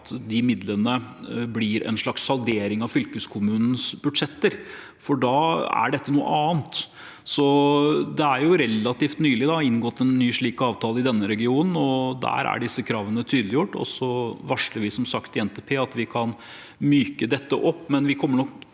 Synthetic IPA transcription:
t̪d̪ɪmɪd̪lənəblɪɾɛ̰nʂɭɑkshɑld̪eːɾɪŋɑʋfʏlkəskʰʊmʉːnn̩sbʉd̪ʂɛt̪ːəɾ | fɔɖɑːæ̰ɖɛt̪ːənuːə̰ʔɑːnt̪ | sɔd̪ɛæɾjʊɾɛlːɑt̪iːft̪nyːlɪd̪ɑɪnɡɔt̪ːɛnːyːʂɭiːkɑːʋt̪ʰɑːlˠəɪd̪ɛnːəɾɛɡɪuːnn̩ɔd̪æ̰ɾæ̰ɖɪsːəkʰɾɑːʋənət̪ʰyːd̪lɪjʊʈːɔ̰sːɔʋɑʂləɾʋɪsɔmsɑkt̪ɪɛnt̪epʰeːɑt̪ʋɪkʰɑn | myːkəd̪ɛt̪ːəʔɔpːmɛnʋɪkʰɔmːəɳɔk

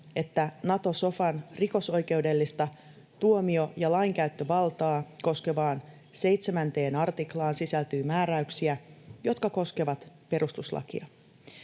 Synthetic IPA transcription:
e̞t̪ːænɑt̪o̞so̞fɑnriko̞so̞jke̞wde̞lːist̪ɑ | t̪uomio̞jɑlɑiŋkæyt̪ːø̞ʋɑlt̪ɑːko̞ske̞ʋɑːn | se̞jt̪se̞mænt̪e̞ːnɑrt̪iklɑːnsisælt̪yːmæːɾæyksiæjo̞t̪kɑko̞ske̞ʋɑt̪pe̞ɾust̪uslɑ̰kḭɑ

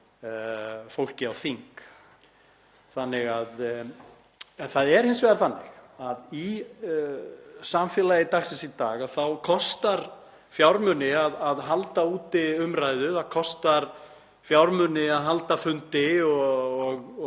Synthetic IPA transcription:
fowl̥cɪawθiŋk | θanːɪɣað | ɛnθaðɛɾ̥hɪnsvɛːɣðaɾθanːɪ̰xaði | samfjɛːlajɪt̪axsɛnsit̪aːɣaðθawkʰɔst̪aɾ̥ | fjawɾmʏnːɪaðaðɦalt̪auːt̪ɪʏmɾajðʏaðkʰɔst̪aɾ̥ | fjawɾmʏnɪaðɦalt̪afʏnt̪ɪɔɔɣ

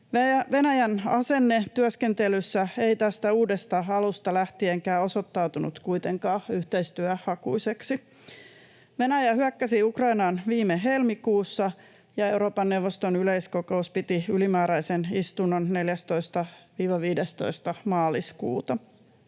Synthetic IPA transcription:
æʋe̞næjænɑse̞nːet̪yøske̞nt̪elysːæe̞it̪æst̪æuːdest̪ɑɑlust̪ɑlæht̪ieŋkæːo̞so̞t̪ːɑwt̪unṵt̪kuit̪eŋkɑːhyht̪e̞ist̪yæhɑkṵise̞ksi | ʋe̞næjæhyækːæsiukrɑinɑnʋiːmeɦe̞lmikuːsːɑ | jɑe̞wɾo̞ːpɑnːewʋːost̪o̞nyleijsko̞ko̞uspit̪iylimæːɾæjsenist̪unːonne̞ljæst̪o̞ist̪ɑʋiːʋɑʋiːdest̪o̰ist̪ɑmɑːliskṵːt̪ɑ

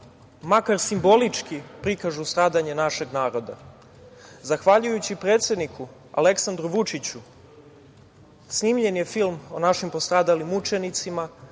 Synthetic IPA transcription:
makaɾsimbo̞lit͡ʂkipɾikaʒust̪ɾaːd̪aɲe̞naʃe̞ɡnaːɾo̞d̪a | zaxʋaʎujut͡ɕipɾe̞ːt̪sʲje̞d̪nikʰu | a̰le̞ksand̪ɾuʋut͡ʃit͡ɕu | sniːmʎe̞nje̞filˠmo̞naʃimpo̞st̪ɾaːd̪alimut͡ʃe̞nit̪sima

